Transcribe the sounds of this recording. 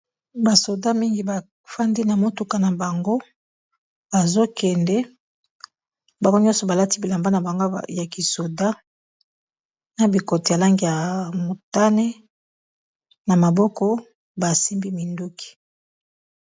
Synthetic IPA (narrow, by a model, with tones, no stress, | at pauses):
ba˨so˨da˦mi˦ŋɡi˨ba˨ | fa˦ndi˦na˨mo˦tu˨ka˨na˨ba˨ŋɡo˦ | b̥a˨zo˦kɛ˨ndɛ˦ | ba˨ŋɡo˦ɲɔ̃˦sɔ˨ba˨la˦ti˦bi˨la˨mba˦na˨ba˨ŋɡo˦ja˨ki˨so˨da˦ | na˨bi˨ko˨ti˨ja˨la˦ŋɡi˦ja˨mo˨ta˦ne˦ | na˨ma˨bɔ˦kɔ˦ | ba˨si˦mbi˦mi˨ndu˦ki̥˨